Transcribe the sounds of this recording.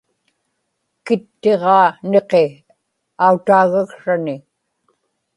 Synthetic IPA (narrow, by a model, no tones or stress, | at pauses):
kɪt̪ːe̞ʁɑːne̞qe | aut̪aːɣakʂanɪ